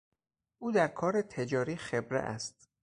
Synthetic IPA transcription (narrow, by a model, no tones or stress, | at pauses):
ʔuːd̪æɾkʰɒːɾet̪ʰed͡ʒɒːɾiːxe̞bɾḛʔæ̰st̪